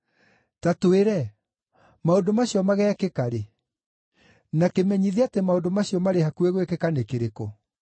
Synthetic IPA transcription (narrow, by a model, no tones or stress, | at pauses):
tatoeɾɛ | maondomaɕiɔmaɣɛːkekaɾe | nakemɛɲiðeatemaondomaɕiɔmaɾehakueɣwekekanekeɾeko